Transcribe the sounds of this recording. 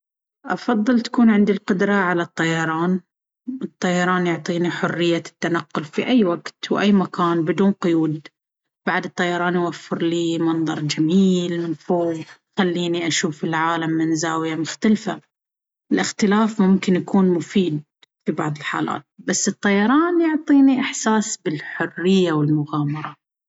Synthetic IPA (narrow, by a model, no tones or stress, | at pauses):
ʔɑfɑðˤːɨlt̪ḁkuːnʕɪnd̪ilqʊd̪ɾˤɑʕalat̪ˤːɑjɑɾˤɑːn | ʔɨt̪ˤːɑjɑɾˤɑːnjʊʕt̪ˤiːniħʊrːɪjːat̪ːanaqːʊlfiʔajːwaɡt̪wʔajːmakʰaːnbɪd̪uːnqʊjuːd̪ | b̥aʕd̪ɨt̪ˤːɑjɑɾˤɑːnjwafːɪɾliːmɑnðˤɑɾˤd͡ʒamiːlmɪnfoːvxalːiːniʔaʃuːfɪlʕaːlamːɪnzaːwɪjamʊxt̪alfa̰ | ɪlʔɪxt̪ɪlaːfmʊmkɪnjakuːnmʊfiːd̪̚ | fibɑʕðˤɪlħa̰ːla̰ːt̪̚basːɨt̪ˤːɑjɑɾˤɑːnjʊʕt̪ˤiːniʔɪħsaːsbɪlħʊrːɪjːawɪlmʊɣaːmɑɾˤɑ